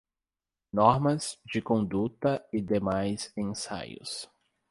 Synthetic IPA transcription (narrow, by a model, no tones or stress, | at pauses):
nɔɾmɐzd͡ʒɪkõnd̪ut̪ɐɪd̪emajzẽsa̰jʊ̰s